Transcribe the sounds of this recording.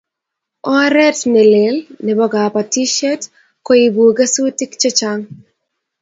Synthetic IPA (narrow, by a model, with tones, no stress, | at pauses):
ɔ˦ɾɛ˦tnɛ˨le˨lnɛ˨bɔ˦ɡa˨pa˨ti˦ʃɛ˦t | kɔ˦i˨bu˨ɡa˦su˦ti˦kt͡ʃɔ˦t͡ʃaŋ